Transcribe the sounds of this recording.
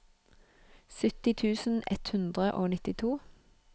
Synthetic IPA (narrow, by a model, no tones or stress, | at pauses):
sʏt̪ɪt̪ʰʉːsn̩ɛt̪hʉnd̪ʁəʔoːnɪt̪ɪt̪ʰuː